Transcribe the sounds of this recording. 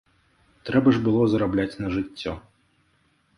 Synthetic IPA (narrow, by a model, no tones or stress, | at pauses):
t̪ɾɛbɐʐbɨlˠɔzɐɾablʲat͡sʲnɐʐɨt͡sʲːɔ